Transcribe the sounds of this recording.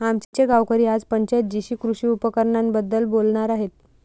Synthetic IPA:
amt͡ɕit͡ɕeɡawkəɾiːad͡zpəɲt͡ɕat̪̚d͡ʑiɕiːkɾuɕiːupəkəɾɳanbəd̪ːəlbolɳaɾaɦet̪

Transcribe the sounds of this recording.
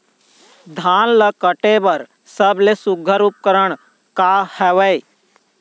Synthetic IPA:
d̪ʱaːnləkəʈebəɾ | səblesʊɡʱəɾup̚kəɾəɳ̃ | kahɛʋəj

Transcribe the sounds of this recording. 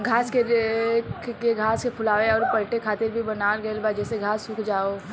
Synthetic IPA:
ɡʱaːskeɾkkeɡʱaːskepʰʊlaːʋeɔːɾpəlʈekʰaːt̪ɪɾbʱibənaːlɡəelbaːd͡ʒɛːseɡʱaːssʊkʰd͡ʒaːo

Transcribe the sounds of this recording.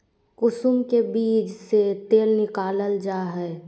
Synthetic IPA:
kʊsʊmkebiːd͡ʒset̪eːlnɪkaːləld͡ʒaːɦɛː

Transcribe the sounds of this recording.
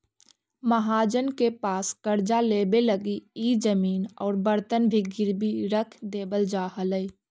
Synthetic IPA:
məɦaːd͡ʒənkepaːskəɾd͡ʒaleːbeləɡiiːd͡ʒəmiːnɔːɾbəɾt̪ənbʱiɡɪɾbʱiɾəkʰd̪eːbəld͡ʒaːɦələi

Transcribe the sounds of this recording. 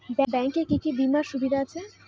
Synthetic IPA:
bɛbɛŋkeɾkikibimaʃubid̪ʱaat͡ɕʰe

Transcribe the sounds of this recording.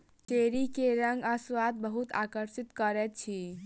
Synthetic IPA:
t͡ʃeɾikeɾə̃ŋɡaswat̪̚bəɦut̪a̰kəɾsit̪kəɾɛt̪̚t͡ʃʰi

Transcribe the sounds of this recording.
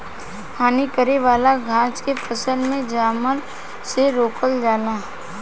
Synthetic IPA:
hʰaːnikəɾeʋaːlaɡʱãːt͡ʃkepʰɐsəlmẽd͡ʒaːməl | seɾoːkəld͡ʒaːlaː

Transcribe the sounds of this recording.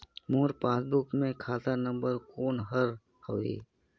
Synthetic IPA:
moːɾpaːsbʊkmẽkʰaːt̪anə̃mbəɾkoːnɦəɾ | hoːḭː

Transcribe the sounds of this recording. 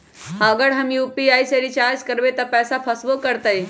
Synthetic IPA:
haɡəɽɦamjupiajseɾit͡ɕaɾd͡ʑkəɾʋet̪əpɛsapʰəsʋokəɾt̪əj

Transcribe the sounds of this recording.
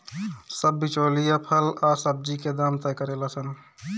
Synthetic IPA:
səbːit͡ʃoːlijapʰəlaːsəb̚d͡ʒiked̪aːmt̪ɛːkəɾeːlasən

